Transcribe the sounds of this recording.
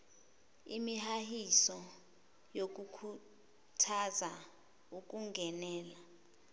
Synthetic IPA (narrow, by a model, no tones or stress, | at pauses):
imihahisɔ | jok̬ʼukʰu | tʰaza | uk̬ʼuŋɡʱɛnɛːla